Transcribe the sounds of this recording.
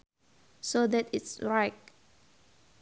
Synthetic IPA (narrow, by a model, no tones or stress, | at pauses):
sod̪ɛtɪtsɹaɪk̚